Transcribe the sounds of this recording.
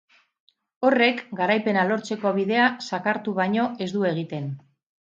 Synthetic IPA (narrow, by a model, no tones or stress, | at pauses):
o̞re̞kɡaɾajpe̞nalo̞ɾt͡se̞ko̞β̞iðe̞asakaɾt̪uβajɲo̞e̞zd̪ue̞ɣ̞it̪e̞n